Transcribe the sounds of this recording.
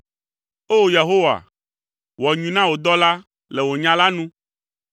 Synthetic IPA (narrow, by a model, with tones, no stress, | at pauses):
o˦je˨ɦo˦wa̰˨ | wɔ˨ɲũ˨nã˦wo˨d̪ɔ˦la˦ | le˨wo˨ɲã˦la˦nũ˦